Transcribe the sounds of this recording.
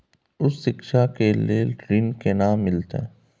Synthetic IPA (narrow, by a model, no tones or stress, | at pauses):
ʊsːɪkʃakeleːɾɪnkenaːmːɪlt̪ḛː